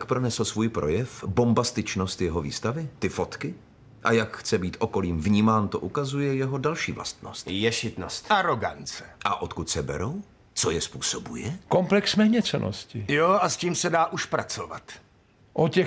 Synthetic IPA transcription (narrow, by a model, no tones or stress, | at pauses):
t̪akpɾonɛsl̩svuːjpɾʔo̞̰jɛfbo̞mbast̪ɪt͡ʃno̞st̪jɛɦo̞vḭːst̪avɪt̪ɪfo̞t̪kɪ | ʔajakxt͡sɛbiːt̪ʔo̞ko̞liːmvɲiːmaːnt̪o̞ʔukazujɛjɛɦo̞dalʃḭːvla̰st̪nost̪jɛʃɪt̪nost̪ʔaɾoɡa̰nt͡sɛ̥ʔa̰ʔot̪kut̪sɛbɛ̰ɾow | t͡so̞jɛspuːso̞bujɛkomplɛksmɛːɲɛt͡sɛnʔo̰scɪjoʔasciːmsɛdaːʔuʃpɾat͡sova̰t̪ | ʔocɛ